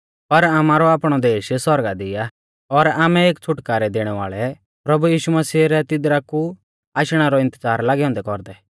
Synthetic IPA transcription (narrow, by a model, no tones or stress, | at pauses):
pɐɾamaːɾɔaːpɽ̃ɔd̪eːʃsɔɾɡad̪ɪja | ɔɾaːmɛeːkt͡sʰʊʈkaːɾɛd̪eːɽ̃ɛʋa̰ːɭɛ | pɾɐbujiːʃumɐsiːɾɛt̪ɪd̪ɾaku | aːʃɽ̃aɾɔɪ̃nt̪əd͡zaːɾlaːɡjɔ̃ːnd̪ɛkɔɾd̪ɛ